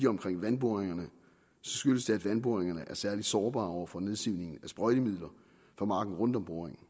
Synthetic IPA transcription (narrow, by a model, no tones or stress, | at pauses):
iɒ̽mkʰʁeŋ̰ʋænb̥o̝ːɐʁeŋɐnə | sɒ̽sɡ̥yləsd̥eæd̥ʋænb̥o̝ːeŋɐnəʔæɐsæɐlid̥sɒːb̥ɑ̈ːɒʊ̰ɐfɒ̽ne̝ð̞ˠsiʊ̰ne̝ŋn̩æsb̥ʁɔɪɾ̥imið̰ˠlɐ | fɑ̈mɑ̈ːɡ̥n̩ʁɔ̽nd̥ɒ̽mb̥o̝ɐeŋn̩